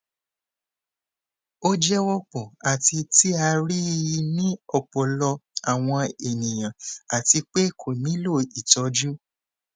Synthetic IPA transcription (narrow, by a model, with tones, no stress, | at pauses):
o˦d͡ʒɛ˦wɔ˦k͡pɔ˨a˨ti˧ti˦a˧ɾi˦˧nĩ˦ɔ˦˨k͡pɔ˨lɔ˧a˨w̃ɔ̃˧e˨nĩ˨j̃ã˨a˨ti˧k͡pe˦kʰo˨mĩ˨˦lo˦˨i˨tɔ˨˧˦d͡ʒu˦